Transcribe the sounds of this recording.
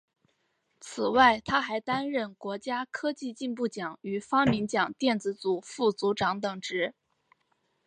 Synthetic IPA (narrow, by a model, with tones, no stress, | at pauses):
t͡s̩ʰ˨˩wa˥˩ɪt̪ʰa˥xa˧˥ɪt̪a˥nɻə˥˩nkwɔ˧˥t͡ɕja˥kʰɤ˥t͡ɕi˥˧t͡ɕi˥˧npu˥˩t͡ɕjɑ˨˩˦ŋy˨˩fɑ˥ŋmi˧˥nt͡ɕjɑ˨˩ŋt̪jɛ˥˩nt͡sɹ̩˧˥t͡su˨˩fu˥˩t͡su˧˥ʈ͡ʂɑ˧˥ŋt̪ɤ˨˩ŋʈ͡ʂɻ̩˧˥